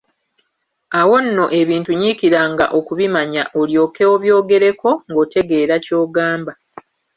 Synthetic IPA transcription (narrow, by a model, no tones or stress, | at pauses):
awo̞nːo̞ʔe̞βiːntuɲiːkiɾaŋɡa̰ʔo̞kuβimaɲaʔo̞ljo̞ːkeoβjo̞ːɡe̞ɾe̞ko̞ŋɡo̞ːte̞ɡe̞ːɾaco̞ːɡaːmba